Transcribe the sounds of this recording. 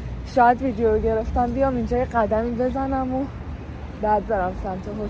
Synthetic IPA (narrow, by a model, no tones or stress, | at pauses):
ʃɒːjæd̪viːd̪ejoɾoɟe̞ɾe̞ft̪æmbijɒmind͡ʒɒːjeɢæd̪æmibe̞zænæmo | bæɾd̪zæɾæmsæmt̪ʰoɦo